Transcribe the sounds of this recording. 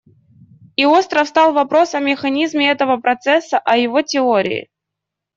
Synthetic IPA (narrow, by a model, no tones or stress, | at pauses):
io̞st̪ɾəfst̪ɑlˠvɐpɾo̞sɐmʲɪxɐnʲizmʲɪɛt̪əvəpɾɐt̪sɛsːəʔɐjɪvotʲɪoɾʲɪ̰ɪ̰